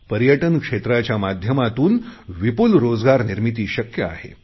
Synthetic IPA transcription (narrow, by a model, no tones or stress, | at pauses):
pəɾjəʈənkʂet̪ɾat͡ɕjamad̪ʱjəmat̪uːnʋipulɾod͡zɡaɾniɾmit̪̬iːɕəkjəa̰ɦḛ